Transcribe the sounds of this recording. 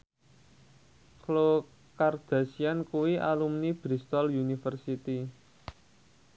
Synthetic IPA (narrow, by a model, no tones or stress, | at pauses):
klo | kard̪̥a̤siankuwiʔa̰lumnib̥ɾist̪ɔljunifərsit̪i